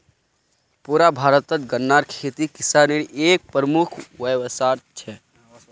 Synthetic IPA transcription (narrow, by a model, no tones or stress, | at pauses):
puɾabʱaɾət̪ət̪ɡənːaɾkʰet̪ikɪsaniɽiʔek̚pɾəmukʰʋəʋsaɾt͡ʃʰɛ